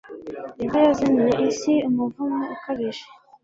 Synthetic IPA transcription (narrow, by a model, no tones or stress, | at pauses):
niβajazamijeʔisiumuvumeukaβiʒe